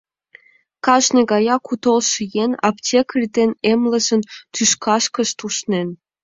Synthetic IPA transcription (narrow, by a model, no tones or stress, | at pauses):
kɑʒnʲĕɡɑjɑkut̪olˠʃijenɑ̰ptʲʰekrʲd̪enʲemlə̆zə̆nt̪yʃkɑʃkɤ̆ʃt̪uʃnʲen